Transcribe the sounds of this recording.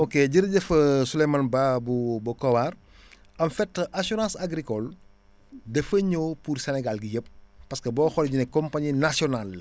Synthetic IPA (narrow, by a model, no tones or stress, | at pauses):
okeɟəɾɟɐfɐsulejmanbabubɐkɔwaːr | ɐmfɛtːəʔasɔɾãːsaɡɾikɔl | dɛfəɲoːpursɛnɛɡalɡijəp̚ːɐskəbɔːxɔlɛɟunɛkːɔmpaɲinasiɔnal